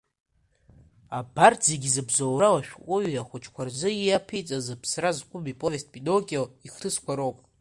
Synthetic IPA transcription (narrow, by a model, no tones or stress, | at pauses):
abarʰze̞ɡʲizɨbzawɾawaʃᶣqʷʼʊɥaχʷʊt͡ʃʰʼkʷʰarzɨijapʰit͡sʼazɨpʰsrazqʷʼʊmipʼovest̚bʼidokʲʼioiχtʰɨskʷʰaɾowpʼ